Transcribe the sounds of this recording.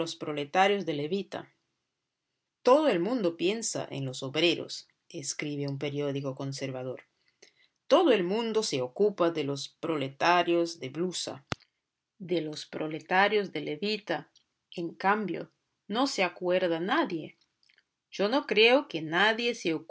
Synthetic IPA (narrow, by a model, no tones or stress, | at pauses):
ospɾolet̪aɾjozðeleβit̪a̰ | t̪oðoelmũnd̪opjensa̰ʔḛnlosoβɾeɾo̰s | eskɾiβeump̬eɾjoðikoko̞ns̬eɾβaðoɾ | t̪oðoelmũnd̪oseokupaðelospɾolet̪aɾjozðeβlusa̰ | ðelospɾolet̪aɾjozðeleβit̪a | eŋkambjo̰ | noseakweɾðanaðje | ʒ̥ono̞kɾeokenaðje̞seok